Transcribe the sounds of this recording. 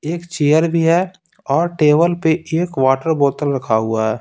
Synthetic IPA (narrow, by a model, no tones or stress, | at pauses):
eːkt͡ʃeːjəɾbʱiɦɛ | ɔːɾʈeːbəlpeʔeːkʋaːʈəɾboːt̪əlɾəkʰaɦʊaɦɛː